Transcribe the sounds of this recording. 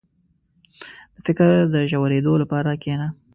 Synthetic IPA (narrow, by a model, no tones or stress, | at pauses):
d̪̥əfɪkɾd̪əʒawaɾed̪olapɑɾakena